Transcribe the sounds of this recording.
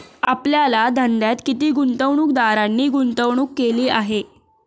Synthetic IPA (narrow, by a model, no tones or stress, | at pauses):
apljalad̪ʱənd̪jat̪kit̪iːɡunt̪əʋɳuːk̚d̪aɾanːiːɡunt̪əwɳ̃uːkːeliːaɦe